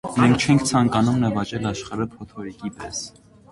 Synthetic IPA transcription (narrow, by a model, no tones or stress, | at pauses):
mɛŋkʰt͡ʃʰɛŋkʰt͡sʰɑŋkɑnumnəvɑt͡ʃɛlɑʃχɑɾəpʰɔt̪ʰɔɾikipɛs